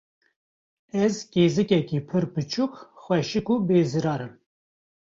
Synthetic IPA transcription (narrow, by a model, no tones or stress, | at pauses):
ɛzkeːzɨkɛkiːpʰɨɾpɨt͡ʃʰukxwɛʃɨkubeːzɨɾɑːɾɨm